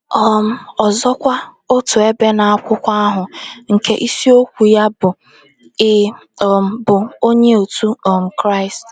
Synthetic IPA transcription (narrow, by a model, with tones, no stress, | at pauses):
ɔ˦m̩˦ɔ˨zɔ˦kʷa˦ | ʊ˦tʊ˨e˦be˦na˨a˦kʷʊ˦kʷa˦a˦ɦʊ˨ŋ̩˨ke˦ʔi˦si˦o˦kʷu˨ja˦bʊ˨ | ɪ˦˨ | bʊ˨o˦ɲe˦o˨tu˦ɔ˨m̩˨kɾa˦˨ɪ˨st